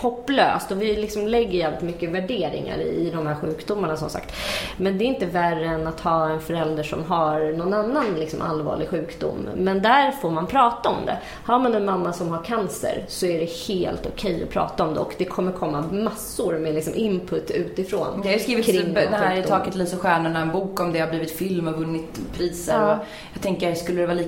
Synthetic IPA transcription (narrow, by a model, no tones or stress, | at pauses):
hɔpːlø̰ːst̪ɔvɪlɪksɔmlɛɡːəɾjæːvlɪt̪mʏkːəvæɖeːɾɪ̰ŋa̰ɾɪ̰d̪ɔmhæːɾɧʉ̟ːkd̪ʊmːaɳasɔ̰msa̰kt̪mɛnd̪ɛːɾɪnt̪əværəɛnat̪hɑːɛnfœɾɛld̪əʂɔ̰mɦaɾnɔnanːanlɪksɔ̰mʔa̰lvɑ̰ːɭɪɡɧʉ̟ːkd̪ʊ̰mːɛnd̪æɾfoːɾmanpʰɾɑːt̪aɔmd̪ɛ̰ | haɾmanɛnmamːasɔmɦaɾkʰansə̰ɾsɔæɖɛheːlt̪ʊkʰɛjːɔ̰pʰɾɑ̰ːt̪aɔmd̪ɛ̰ɔkd̪ɛkʰɔmːəɾkʰɔmːamasːʊɾmɛlɪksɔmʔɪmpʰɵt̪ːʉ̟ːt̪ɪfɾoːnd̪ɛhajʏskɾiːvɪkʰɾɪŋːdd̪ɛhæːɾʰɑːkət̪liːsɔɧæːɳʊɳaɛnbuːkɔmd̪ɛhabliːvɪt̪fɪlmɔvɵnːɪt̪pʰɾiːsəɾɔ | jɑɡt̪ʰɛŋkəskɵlːəd̪ɛvɑːliː